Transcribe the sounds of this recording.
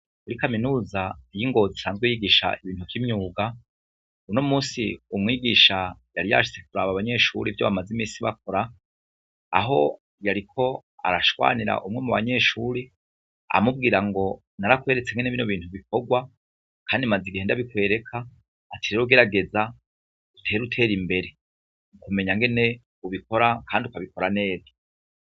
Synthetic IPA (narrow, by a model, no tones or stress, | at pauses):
kuɾikaminuːzajiŋɡo̞zisaːnzɡwejiːɡiːʃa̰iβiːntukimɲuːɡa | uno̞muːsiumŋiːɡiːʃajaɾija̰ʃi̥t͡se̞k̚uɾaβaβaɲe̞ʃṵɾivjo̞̰βamazimiːsiβak̚ʰo̞ɾa̰ː | ɦo̞ | jaɾikʰo̞a̰ɾaʃwa̰ːniɾa̰ʔumŋe̞muβaɲe̞ʃuɾi | a̰mub̚ɡiːɾaŋɡo̞ | naɾakwe̞ːɾet͡se̞ŋɡeneβino̞βiːnhuβik̚oɡwa | kʰaːndimaziɡihendaβikwe̞ːɾe̞kʰaː | tʰeɾeɾoɡe̞ɾaɡe̞za | utʰe̞ːɾutʰe̞ːɾimbe̞ɾe̞ | ukume̞ɲaŋɡe̞ne̞ | uβiko̞ɾakaːndiukaβiko̞ɾane̞ːbḁ